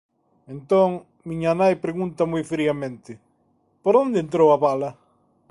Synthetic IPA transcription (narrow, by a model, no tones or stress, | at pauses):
ẽnt̪oŋ | miɲanajpɾeɣunt̪ɐmojfɾiɐmẽnt̪ɪ | poɾond̪ẽnt̪ɾowɐβalɐ